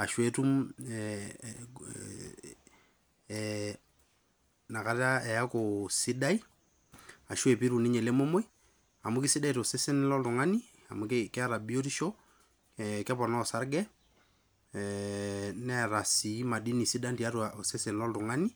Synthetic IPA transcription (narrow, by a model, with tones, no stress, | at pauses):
a˨ʃwe˦tu˦m | na˨ka˨ta˦ɛ˨a˦ko˨si˦da˦i˦ | a˨ʃo˦e˨pi˦ɾu˨ni˦ɲe˨le˦mo˦mo˦i˦ | a˨mu˦kɪ˦sɪ˦da˦i˨tse˦sɪ˦nlɔ˦ltʊ˨ŋa˦ni˦ | a̰˨mu˨kkɪ˦a˦ɾa˨bi˦o˦ti˦ʃo˦ | kɛ˦pɔ˨nɔ˦˨sa˦ɾɡɛ˦ | nɛ˦ɾa˨si˨˦ma˨di˦ni˨si˦da˦nti˨a˦tu˨a˨se˦sɪ˨nlɔ˦ltʊ˨ŋa˦ni˦